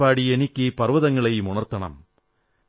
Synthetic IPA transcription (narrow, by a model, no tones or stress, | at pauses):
aːɽienikʲːɯpɐrʋɐðɐŋːɐɭɐjmʊɳɐrt̪ːɐɳɐ̰m